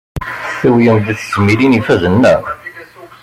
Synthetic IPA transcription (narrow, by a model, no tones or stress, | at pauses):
θiwjəmðiθəzmilinifæzənːæ